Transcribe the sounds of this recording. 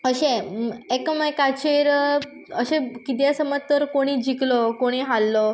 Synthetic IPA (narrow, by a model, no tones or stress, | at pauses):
əɕẽekməjkat͡ɕeɾ | əɕẽkit̪̬jasəmət̪ːəɾkoɽ̃iːd͡ʑʱiklɔkoɽ̃iːɦalːɔ